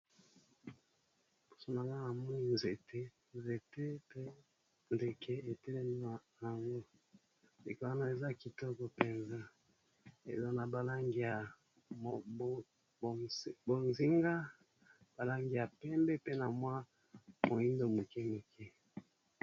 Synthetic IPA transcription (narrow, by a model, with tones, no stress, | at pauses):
bu̥˨so˦na˨ŋa˦a˨mɔ˦ni˦˨nze˨te˦ | nze˨te˦pe˦ | nde˨kʰɛ˦e˨tɛ˦lɛ˦mi˦a˨ja˨ŋɡo˦ | de˨ko˦a˦na˦˨e˨za˦ki˨tɔ˦kɔ˨pe˨nza˦ | ḛ˨za˦na˨ba˨la˦ŋɡi˨ja˨˦ | bo˨nzi˦ŋɡa˦ | b̥a˨la˦ŋɡi˨ja˨pɛ˦mbɛ˦pe˦na˨mwa˦ | mo˨ji˦ndo˦mu˨kɛ˦mu˨kʰɛ˦